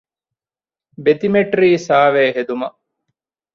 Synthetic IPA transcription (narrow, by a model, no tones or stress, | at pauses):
bet̪imeʈɾiːsaːʋeːɦed̪umɐ